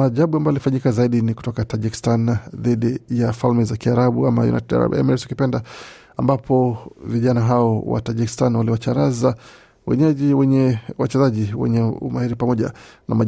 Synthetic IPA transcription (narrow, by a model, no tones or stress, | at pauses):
aʄaɓuambajalifaɲikazaiɗiniku̥tɔkataʄiki̥stanðiɗijafalmɛzakiaɾaɓuamajṵna̰jtɛda̰ɾa̰bɛ̰mɛɾɛsukipɛnda | ambapʰɔviʄanaɦaɔwa̰taʄiki̥stanwaliwat͡ʃaɾaza | wɛ̰ɲɛʄiwɛɲɛwat͡ʃɛzaʄiwɛ̰ɲɛṵmahiɾipamɔʄa̰nama